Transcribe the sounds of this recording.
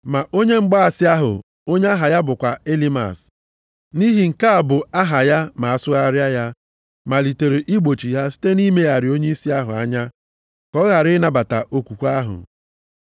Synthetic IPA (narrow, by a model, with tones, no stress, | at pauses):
ma˨ʔo˦ɲe˦ŋ͡m̩˦ɡ͡ba˦a˨sɪ˦a˦ɦʊ̰˨ | o˦ɲe˦a˦ɦa˨ja˦bʊ˨kʷa˨e˦li˦ma̰˨s | ni˦ɦi˨ŋ̩˨ka˦a˨bʊ˨a˦ɦa˨ja˦ma˨a˨sʊ˦a˦ɾja˦ja˦ | ma˨li˨te˨ɾe˨ʔi˦ɡ͡bo˨t͡ʃi˨ja˦si̥˦te˦ni˦me˦a˨ɾɪ˨o˦ɲe˦i˦si˦a˦ɦʊ̰˨a̰˦ɲa˦ | kɔ˦ɣa˨ɾɪ˦na˨ba˨ta̰˨ʔo˨kʷu˨kʷu˦a˦ɦʊ̰˨